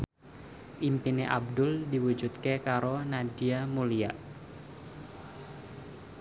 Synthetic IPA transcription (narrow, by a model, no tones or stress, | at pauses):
ʔimpineʔab̚dʊldiwud͡ʒut̪kekaɾonadiamuliaʔ